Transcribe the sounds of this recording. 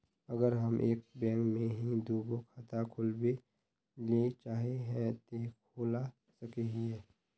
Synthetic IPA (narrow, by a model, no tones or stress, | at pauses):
ɐɡəɾɦɐmʔeːk̚bɛ̃ːŋkmẽɦid̪uːɡokʰaːt̪akʰʊlwe | let͡ʃaːɦeɦɛ̃t̪ekʰoːla | sɐkeɦiɦɛː